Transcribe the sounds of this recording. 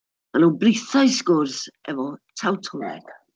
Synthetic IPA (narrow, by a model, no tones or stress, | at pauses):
anowbrɪθajskɔːrsɛvɔtʰawtʰɔlɛ̰ɡ̥